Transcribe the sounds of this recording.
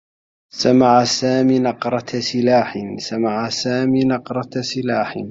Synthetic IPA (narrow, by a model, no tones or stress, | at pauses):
samaʕasaːmiːnɑqɾˤɑsɪlaːħɪnsamaʕasaːmiːnɑqɾˤɑsɪlaːħɪ̰n